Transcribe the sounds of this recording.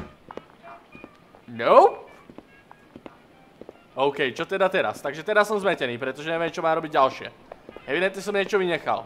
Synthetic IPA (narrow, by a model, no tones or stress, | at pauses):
noʊ | ɔʊkɛjt͡ʃɔt̪ɛd̪at̪ɛɾa̰st̪aɡʒɛt̪ɛd̪asɔmzmɛcɛniːpɾɛt̪ɔʒɛɲɛʋɛmt͡ʃɔmaːɾɔbiɟɟalʃɪɛ̰ | ɦɛʋid̪ɛnt̪ɲɛs̬ɔmɲɛt͡ʃɔʋiɲɛxa̰l